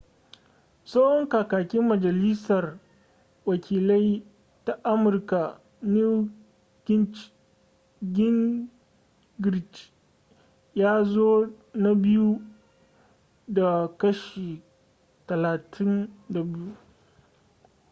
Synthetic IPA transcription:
sa˦hɔ˦ŋkaː˨kaː˨kʲɪ˦mːɐ˨d͡ʒɐ˨li˦sɐ˨r | wɐ˨kʲʰiː˨la˦j | ta˦ʔa˦mʊ˨rka˨ | ni˦ | ɡɪ˦ | ɡʲɪ˦ŋ | ɡɾɪ˨t͡ʃ | jaː˦zoː˦ | na˦bɪ˦ju˦ | da˨kɐ˦ʃi˨ | tɐ˨laː˨tʰɪ˦nda˨bɪ˦ju˦

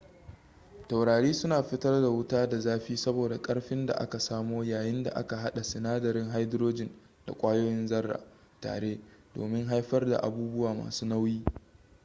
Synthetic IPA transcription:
ta˨wɽaː˨ɽiː˦sʊ˦naː˨ɸɪ˦tɐ˦rda˨wʊ˦taː˦da˨zaː˦ɸiː˦sɐ˦boː˨da˨kʼɐ˦ɽɸɪ˦nda̰˨ʔa̰˦ka˨saː˦moː˦jaː˨jɪ˦nda̰˨ʔa̰˦ka˨ɦa˦ɗa˨sɪ˨naː˦dɐ˨ɾɪ˦ŋɦa˦jdɪ˦ɾoː˦d͡ʒɪ˨n | d̥a̰˨kʷʼaː˦joː˦jɪ˦nzɐ˦rːa̰ː˨ | ta̰ː˨ɽeː˦do̰ː˨mɪ˦ŋɦa˦jɸɐ˦rda̰˨ʔa̰˨buː˦bʊ˦waː˨ma̰ː˨suː˦na˦wjiː˦

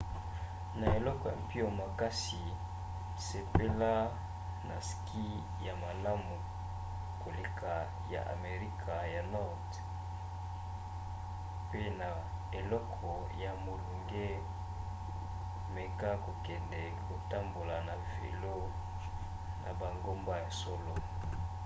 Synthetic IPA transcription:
na˨e˨lɔ˦kɔ˨pi˦a˨ma˨ka˦si˨ | se˨pe˦la˦ | na˨ski˦ | ja˨ma˨la˦mu˨ | ko˨le˨kʰa˨ | ja̰˨ʔa̰˨me˨ʁi˦kʰa˨ja˨nɔ˦ʁt | pe˦na˨ | e˨lɔ˦kʰɔ˨ | ja˨mo˨lu˨ŋɡe˦ | me˨ka˦ko˨kɛ˨ndɛ˨ko˨ta˦mbo˨la˨na˨vḛ˨lo˦ | nʔa˨ba˨ŋɡo˦mba˦ja˨sɔ˦lo˦

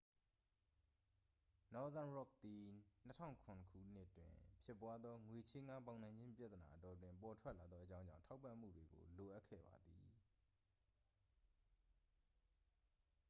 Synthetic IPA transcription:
nɔ˦d̪ã˦nɹɔ˦˨k̚d̪i˨n̥ətʰã̰˦˨ʊ̃ŋkʰʊ̃˨nəkʰṵ˦˨n̥ɪ˦ʔtwɪ̰̃˨pʰjɪ˦˨pwa˦d̪ðɔ˦ŋwe˨t͡ɕʰɪ̃˦ŋa˦pã˨ʊn̥ã˨ɲd͡ʑɪ̃˦mpja̰˦˨t̪ə˨na̰˨ʔətɔ˨t̬wɪ̃˨mpɔ˨tʰwɛ˦ʔla˨d̪ðɔ˦ʔət͡ɕã˦ʊ̃ɲd͡ʑã̰˦˨tʰa˦ʊpːã̰˦˨m̥ṵ˦˨dwe˨ɡo̰˨lo˨ʔa˦ʔkʰːɛ̰˦˨ba̰˨d̪ḭ˨

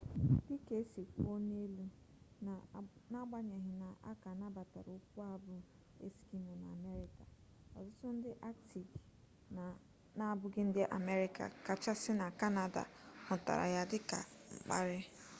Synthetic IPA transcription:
i˦ke˦si˨kʷo˦ne˦lu˦˨ | na˦ɡ͡ba˦ɲe˨ɦɪ˨na˨ʔa̰˦ka˨na˦ba˨ta̰˨ɾu˨˦kʷu˦a˦bʊ˦ | ḛ˦ski˦mo˨na˨me˦ɾɪ˦ka˨ | ɔ̰˨zʊ˦tʊ˦n̩˦dɪ˦ʔa˦k̚ti˨ɡ | na˦bʊ˦ɡɪ˦n̩˦dɪ˦ʔa̰˨me˦ɾɪ˦ka̰˨ka˨t͡ʃa˦sɪ˦na˨ka˦na˨da̰˨hʊ˨ta̰˨ɾa̰˨ja˦dɪ˦ka̰˨ŋ͡m̩˨k͡pa˦ɾɪ˦

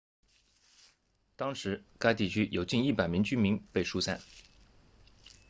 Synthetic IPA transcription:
t̪ɑ˥ŋʂɻ̩˧˥ka˥ɪt̪i˥˩t͡ɕʰy˥jʔo˨˩ʊt͡ɕi˥˧ni˥˩pa˨˩ɪmi˧˥ŋt͡ɕy˥nmi˧˥ŋpe˥˧ɪʂu˥˧sa̰˥˩n

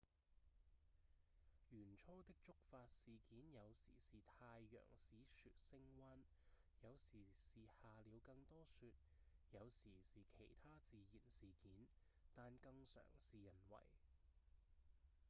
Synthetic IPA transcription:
jyː˨˩nt͡ʃʰɔː˥t̪ɪ˥k̚t͡ʃʊ˥k̚faː˧t̚siː˨kiː˨˥njɐ˨˧wsḭː˨˩siː˨t̪ʰaː˧jːœ̰ː˨˩ŋsiː˨˥syː˧t̚sɪ˥ŋwaː˥n | jɐ˨˧wsiː˨˩siː˨haː˨liː˨˧wkɐ˧ŋt̪ɔː˥syː˧t̚ | jɐ˨˧wsiː˨˩siː˨kʰe˨˩jt̪ʰaː˥t͡siː˨˧jiː˨˩nsiː˨kiː˨˥n | t̪aː˨nkɐ˧ŋsœ̰ː˨˩ŋsiː˨jɐ˨˩nwɐ̰˨˩j

